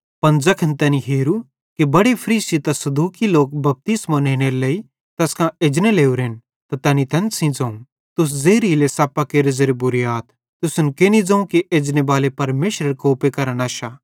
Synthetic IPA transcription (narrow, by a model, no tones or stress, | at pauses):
pɐnd͡zɐkʰɐnt̪ɛːniɦeːɾu | kibɐɽepʰɐɾiːsit̪ɐsɐd̪uːkiloːk̚bɐp̚t̪ismaneːɽ̃eɾlei | t̪ɐskãeːd͡ʒneleːuɾeːn | t̪at̪ɛːnit̪ʰɐ̃nsĩd͡zɐ̃ũ | t̪ʊs̬zeːɾilesaːpakeɾɪzeɾebʊɾijaːt̪ʰ | t̪ʊsʊnkenid͡zɐ̃ũkiʔeːd͡ʒnebaːlepɐɾmeːʃɾəɾkoːpekɐɾənaːʃaː